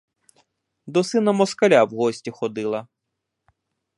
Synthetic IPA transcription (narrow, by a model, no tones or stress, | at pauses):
d̪ɔsɪnɐmɔskɐlʲawɦɔsʲtʲixɔd̪ɪlˠɐ